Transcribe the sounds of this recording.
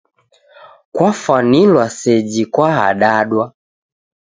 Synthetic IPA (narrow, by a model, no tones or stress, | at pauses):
kwafanilwasɛd͡ʒikwaɦa̰ɗaɗwa